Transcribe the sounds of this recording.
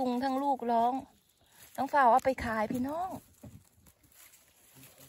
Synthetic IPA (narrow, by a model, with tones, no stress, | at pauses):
u˧˦ŋt̪ʰaː˧˥˨ŋluː˥˩k̚lɔː˦˥ŋ | t̪ʰaː˧˥˩ŋfaː˧˩wʔaː˧˩pa˨˩jkʰaː˨˦jpʰiː˧˩˨nɔː˥˩˨ŋ